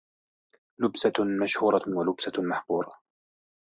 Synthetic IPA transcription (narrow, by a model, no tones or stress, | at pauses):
lʊbsamaʃhuːɾˤɑwalʊbsamaħquːɾˤɑ